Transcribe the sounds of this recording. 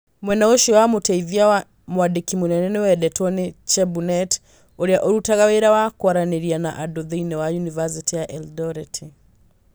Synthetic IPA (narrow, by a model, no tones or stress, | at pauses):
mwɛnaɔʃiwamutaiðiaw | mwaɗikimunɛnɛnɛwɛɗɛtʰɔnit͡ʃɛbunɛt | ɔɾiaʔɔɾutaɣawɛɾawakwaɾaniɾiana̰ʔadɔðijnɛwajunivas̬itijaʔɛldɔɾitʰi